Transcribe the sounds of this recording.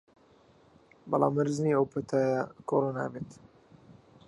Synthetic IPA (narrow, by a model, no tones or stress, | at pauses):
bɑlˠa̰ːmːəɾzniəwpʰət̪ʰaːjakʰoɾona̰ːbeːt̪